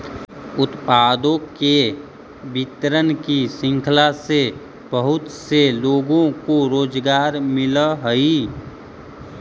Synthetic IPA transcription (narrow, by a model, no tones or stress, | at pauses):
ʊt̪paːd̪õke | bɪt̪ɾənkisɪ̃ŋkʰlase | bəɦʊt̪seloːɡõkoɾoːd͡ʒɡaːɾmɪləɦəi